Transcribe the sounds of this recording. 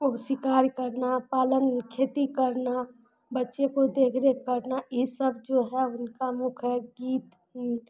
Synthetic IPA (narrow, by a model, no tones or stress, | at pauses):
ʊsɪkaːɾkəɾnapaːlənkʰeːt̪ikəɾna | bətːʃekod̪eːkʰɾekəɾnaisəbd͡ʒoɦɛʊnkamʊkʰɛɡiːt̪